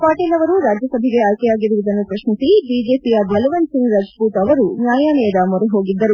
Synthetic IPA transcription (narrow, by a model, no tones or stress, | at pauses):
kaːʈeːlɐʋɐɾuɾaːd͡ʒjɐsɐbʱɛɡe̞aːjkɛjaːɡiɾuʋud̪ɐnːupɾɐʃmit̪ibiːd͡ʒeːpiaːd̪ʱjɐlɐʋɐnsiŋɡɾɐd͡ʒpuːt̪ɐʋɐɾunjaːjaːnɛːd̪ɐmɔɾeɦo̞ːɡid̪ːɐɾu